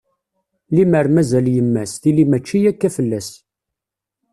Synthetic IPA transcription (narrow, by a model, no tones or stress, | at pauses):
liməɾmæzæljəmːæsθilimæt͡ʃːijækːæfəlːæs